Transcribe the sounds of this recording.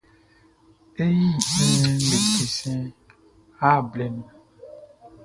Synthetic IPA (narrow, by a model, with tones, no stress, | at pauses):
e˦ji˦ẽ˦le˨ki˨sɛ̃˦ | a˦˨blɛ˨nũ˨